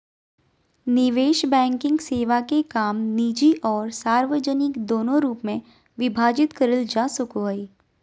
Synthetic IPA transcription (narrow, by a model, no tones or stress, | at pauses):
nɪʋeːʃbɛ̃ːŋkɪ̃ŋɡseːʋakekaːmniːd͡ʒiʔɔːɾsaːɾʋəd͡ʒənɪkd̪oːnõɾuːpmẽ | ʋɪbʱaːd͡ʒɪt̪kəɾəld͡ʒaːsʊkoɦəiː